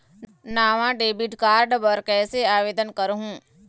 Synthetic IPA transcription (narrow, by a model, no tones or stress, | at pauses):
naːʋãɖeːbiʈkaːɾɖbəɾkɛːseaːʋeːd̪ənkəɾɦũ